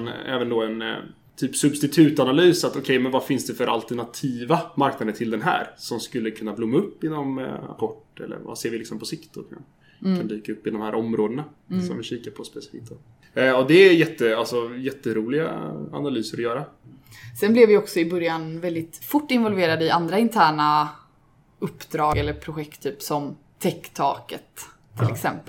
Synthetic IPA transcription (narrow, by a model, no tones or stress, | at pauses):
nɛ̰ːvənd̪ɔɛn | t̪ʰyːpsɵbst̪ɪt̪ʰʉ̟ːt̪analyːsat̪ɔkʰɛjmɛnvafɪnsd̪ɛfœɾʔa̰lt̪ɛɳat̪ʰiːvamaɾknad̪ənt̪ʰɪld̪ɛnɦæ̰ːɾsɔmskɵlːəkʰɵnːablʊmːaɵpːɪnɔma̰pʰɔʈːɛ̰lːə̰ɾva̰seːɾvɪlɪksɔmpʰɔsɪkt̪ɔkʰan | kʰand̪yːkaɵpːɪd̪ɔmhæːɾʔɔmɾoːd̪əna | sɔmvɪɕiːkapʰɔspɛsɪ̥fḭːk̚t̪̚d̪ɔ | ɔd̪ɛjɛt̪ːəalsɔjɛt̪ːəɾuːlɪɡa̰a̰nalyːsəɾɔjœːɾasɛnblɛvɪɔksɔɪbœɾjanvɛld̪ɪt̪fʊʈːɪnvɔlveːɾad̪əɪʔand̪ɾaɪnt̪ʰæːɳa | ɵpːd̪ɾɑːɡɛlːəɾpʰɾʊɧɛkt̪ʰːyːpsɔm | t̪ʰɛkːt̪ʰɑːkət̪ʰː | ɪlɛksɛmpəl